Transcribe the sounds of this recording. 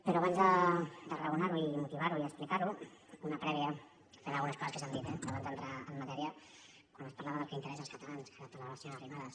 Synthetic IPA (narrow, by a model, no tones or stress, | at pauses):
pəɾɔaβanzd̪əd̪ərəunaɾuimut̪iβaɾuiəksplikaɾuunəpɾɛβiə | feɾalˠɣunəskɔzəskəsand̪it̪ɛaβanzd̪ənt̪ɾaəmːat̪ɛɾiə | kwanəspaɾlaβəðəlˠkɛint̪əɾɛsalskət̪alanskaapaɾlaβəsionərimaðəs